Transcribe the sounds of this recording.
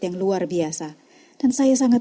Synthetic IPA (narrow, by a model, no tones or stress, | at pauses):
jaŋluarbiasa | d̥ansajas̬aŋat̪